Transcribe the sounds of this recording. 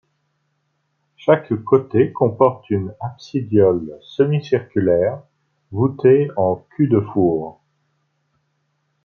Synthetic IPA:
ʃakkot̪ekɔ̃pɔʁt̪ynapsid̪jɔlsəmisiʁkʲylɛːʁ | vut̪eɑ̃kʲʰyd̪əfuːʁ

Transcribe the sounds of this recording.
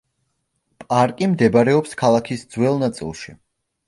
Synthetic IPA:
pʼaɾkʼimd̪ɛbaɾɛɔpskʰalˠakʰisd̪zwɛlˠnat̪sʼḭlˠʃi

